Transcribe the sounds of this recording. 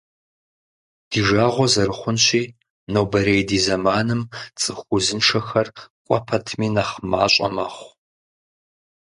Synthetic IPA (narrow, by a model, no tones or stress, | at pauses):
d̥iːʒaːʁʷɔzɐɾɨχʷʊnɕiː | nowbɐɾejdiːzɐmaːnɨmt͡sʼɨxʷʊzɨnʂʰɐxɐrkʷʼɔpʰɐtʰmiːnɐχmaːɕʼɐ̰mɐχʷ